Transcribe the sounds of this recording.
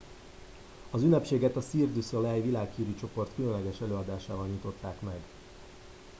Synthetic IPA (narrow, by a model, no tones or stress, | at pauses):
ɒzynːɛpʃeːɡɛt̪ɒsiːrd̪ysolɛjvilaːkhiːɾyt͡ʃo̞po̞rt̪kylønlɛɡɛʃɛløːɒd̪aːʃaːvɒlɲut̪o̞t̪ːaːkmɛɡ